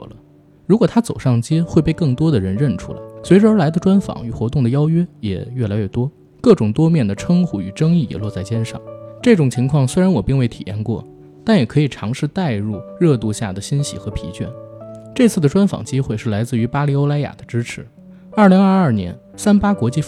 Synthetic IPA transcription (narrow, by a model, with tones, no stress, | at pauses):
lə˦ | ɻu˧˥kwɔ˨˩t̪ʰa˥t͡so˨˩ʊʂɑ˥˩ŋt͡ɕɛ˥xwe˥˧ɪpe˥˧ɪkɤ˥˩ŋt̪wɔ˥d̪ə˨ɻə˧˥nɻə˥˩nʈ͡ʂʰṵ˧˥la̰˧˩ɪswe˧˥ɪʈ͡ʂə˧ə˞˧˥la˧˥ɪd̪ə˧ʈ͡ʂwa˥nfɑ̰˨˥˦ŋy˨˩xwɔ˧˥t̪ʊ˥˩ŋd̪ə˩jɑ˥ʊɥɛ˥jɛ̰˨˩ɥɛ˥˩la˧˥ɪɥɛ˥˩t̪wɔ˥ | kɤ˥˩ʈ͡ʂʊ˨˩ŋt̪wɔ˥mjɛ˥˩nd̪ə˩ʈ͡ʂʰɤ˥ŋxu˧˥y˨˩ʈ͡ʂɤ˥ŋi˥˩jɛ̰˨˩lwɔ˥˧t͡sa˥˩ɪt͡ɕjɛ˥nʂɑ̰˥˩˦ŋʈ͡ʂɤ˥˩ʈ͡ʂʊ˨˩ŋt͡ɕʰi˧˥ŋkʰwɑ˥˩ŋswe˥ɪɻa˧˥nwɔ˨˩pi˥˧ŋwe˥˩ɪt̪ʰi̥̰˨˩jɛ̰˥˧nkwɔ˥˩ | t̪a˥˩njɛ˨˩kʰɤ˧˥i˨˩ʈ͡ʂʰɑ˧˥ŋʂɻ̩˥˧t̪a˥˧ɪɻu˥˧ɻɤ˥˧t̪u˥˧ɕja̰˥˩d̪ə˩ɕi˥nɕḭ˧˨˥xɤ˧˥pʰḭ˧˥t͡ɕɥɛ̰˥˩nʈ͡ʂɤ˥˧t͡sʰɹ̩˥˩d̪ə˩ʈ͡ʂwa˥nfɑ̰˨˩ŋt͡ɕi˥xwe˥˧ɪʂɻ̩˥˩la˧˥ɪt͡sɹ̩˥˩y˧˥pa˥li˧˥o˥ʊla˥ɪja̰˨˩d̪ə˦ʈ͡ʂɻ̩˥ʈ͡ʂʰɻ̩˧˥ | ɐ˞˥˩li˧˥ŋɐ˞˥˧ɐ˞˥˩njɛ̰˧˥n | sa˥npa˥kwɔ˧˥t͡ɕi˥˧